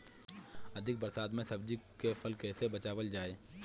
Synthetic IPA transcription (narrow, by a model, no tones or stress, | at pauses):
ɐd̪ʱɪk̚bəɾsaːd̪mẽsɐb̚d͡ʒikefʰəlkɛːsebɐt͡ʃaːʋəld͡ʒaːeː